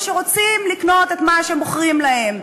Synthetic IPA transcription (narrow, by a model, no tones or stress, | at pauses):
ʃeʁo̞t͡simlikno̞tetmaʃemboχʁimlahe̞m